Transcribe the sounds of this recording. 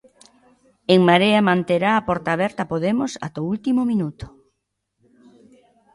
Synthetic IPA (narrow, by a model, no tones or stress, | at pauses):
eŋmaɾeɐmãnt̪eɾaːpɔɾt̪aːβɛɾt̪ɐpoðemʊsa̰t̪oult̪imʊminut̪ʊ̥